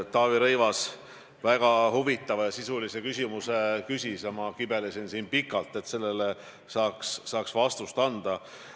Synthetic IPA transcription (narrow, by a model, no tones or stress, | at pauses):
t̪ɑːviɾɤjvɑs | væɡ̥ɑhuvit̪ːˑɑvɑjɑsisulise̞kysʲimusekysʲisjɑmɑkibe̞lesinsiːnpikːˑɑlt̪ːˑe̞t̪se̞lːele | sɑːksːɑːksvɑst̪ust̪ɑnd̪̥ɑ